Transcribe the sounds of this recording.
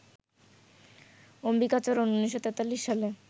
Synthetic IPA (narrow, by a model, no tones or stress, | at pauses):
ombikat͡ɕoɾunːounːiʃːot̪et̪alːiʃːale